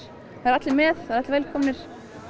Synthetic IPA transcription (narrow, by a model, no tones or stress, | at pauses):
θaɾat̪lɪmɛðaɾat̪vɛlkʰɔmnɪɾ̥